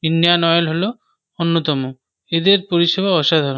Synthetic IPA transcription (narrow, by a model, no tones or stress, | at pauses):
indijanɔjolɦolo | onːot̪ɔmo | ed̪eɾpoɾiʃebʱaɔʃad̪ʱaɾo